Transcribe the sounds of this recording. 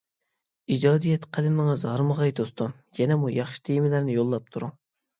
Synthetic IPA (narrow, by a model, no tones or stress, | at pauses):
id͡ʒɑːd̪ijɛt̪qʰælɪmɨŋɨzɑɾməʁɑjd̪ost̪ʰum | jɛnɛmujɑχʃi̥t̪ʰejmɪlæɾnɪjolˠːɑp̚t̪ʰuɾu